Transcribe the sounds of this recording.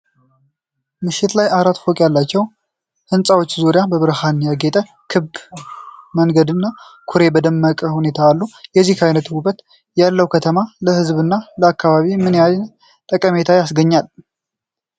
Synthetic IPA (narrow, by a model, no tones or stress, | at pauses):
mɨʃɪt̪lajaɾat̪fokʼjalːat͡ʃːɛw | hɨnsʼawo̞t͡ʃːzuɾɪjabəβɾəhanjaɡet̪ʼə | kʰɨb | məŋɡəd̪ɨnːakʰuɾe̞bəd̪əmːəkʼəhune̞t̪ʰaːlːujɛzːihkʰajnət̪huβət̪ | jalːəwkʰət̪ʰəmaləhɨzβɨnːaləakːaβaβimɨnjajn | t̪ʼəkʼəme̞t̪ʰajasɡəɲːal